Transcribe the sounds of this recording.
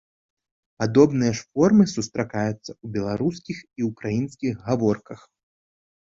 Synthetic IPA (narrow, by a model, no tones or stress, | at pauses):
pad̪ɔbnɨjɐʂfɔrmɨsust̪ɾakajut̪sːɐubʲɛlˠaɾuskʲixiukɾajinskʲiɣɣavɔrkɐx